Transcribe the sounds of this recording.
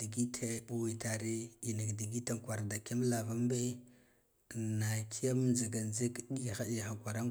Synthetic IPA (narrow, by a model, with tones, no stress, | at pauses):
di˨ɡi˦tʰe˦bu˨wi˨ta˨ɾi˦i˨na˨kdi˨ɡi˦ta˨ŋ˨kʷwa˨ɾda˨ke˦m˦la˨va˦m˦be˦˨ | na˨kʰi˦a˦m˦nza˨ɡa˨nze˦kɗi˦˨xa˦ɗi˦˨xa˨kʷa˨ɾa˦ŋ